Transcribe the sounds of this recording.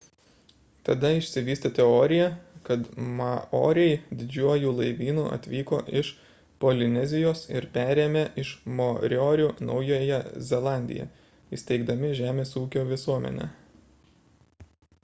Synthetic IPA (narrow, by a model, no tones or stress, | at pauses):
t̪ɐd̪ɐɪʃʲsʲɪʋʲiːst̪ɐt̪ʲɛɔːɾʲɪjɛkɐt̪mɐʔo̰ːɾʲɛɪd̪ʲɪd͡ʒʲuɔjuːlˠɐɪʋʲiːnuːʔɐ̰t̪ʲʋʲiːko̰ːʔɪʃ | polʲɪnʲɛzʲɪjoːsɪɾpʲæːɾʲeːmʲeʔɪʃmoɾʲɔːɾʲunɒ̰ʊjoːjɛzʲɛlˠɑˑnʲd̪ʲɪ̰jɛ̰ | isʲt̪ʲɛɪɡd̪ɐmʲɪʒʲæːmʲeːsuːkʲoːʋʲɪsuɔmʲɛ̰nʲɛ̰